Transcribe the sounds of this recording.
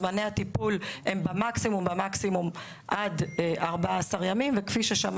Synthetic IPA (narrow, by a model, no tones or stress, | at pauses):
maneat̪ipulembemaksimumbemaksimum | ʔad̪ʔaʁbaaːsaʁjamimvekfiʃeʃam